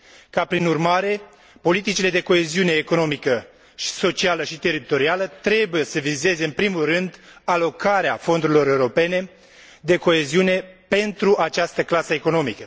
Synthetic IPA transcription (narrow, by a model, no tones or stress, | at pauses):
kapɾinurmaɾe̞ | po̞lit̪it͡ʃile̞d̪e̞ko̞e̞ziune̞ːko̞no̞mikə | ʃi̥so̞t͡ʃialəʃit̪e̞ɾit̪o̞ɾialət̪ɾe̞buje̞səvize̞ze̞ɨnpɾimulrɨnd̪alo̞kaɾeafo̞nd̪uɾilo̞ɾe̞uɾo̞pe̞ne̞ | d̪e̞ko̞e̞ziune̞pe̞nt̪ɾuʔat͡ʃast̪əklasəeko̞no̞mikə